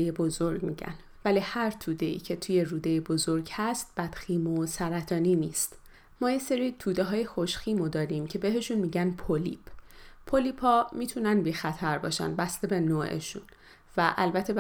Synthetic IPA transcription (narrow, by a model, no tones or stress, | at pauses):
ejebozo̞ɾɟmiɟæ̰n | væliːhæɾt̪ʰuːd̪e̞ḭːcʰe̞t̪ʰuje̞ruːd̪ejebo̞zoɾɟhæst̪̚b̥æd̪̥xiːmosæɾæt̪ʰɒːniːniːst̪ | mɒːje̞se̞ɾiːt̪ʰuːd̪eɦɒːjexo̞ʃxiːmod̪ɒːɾimcʰe̞be̞ɦe̞ʃunmiːɟænpʰolḭːpʰpʰːoliːphɒːmiːt̪ʰunænbiːxæt̪ʰæɾbɒ̰ːʃæ̰nbæst̪e̞be̞noːʔḛʃun | væʔælbæt̪ʰe̞